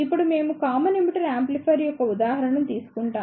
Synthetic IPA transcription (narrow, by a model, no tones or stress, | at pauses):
ipːuɽume̞ːmukaːmɐnemiʈɐɾaːmplipʰɐɾijɔkːɐud̪aːɦɐɾɐɳɐmt̪iːsu̥kuɳʈaː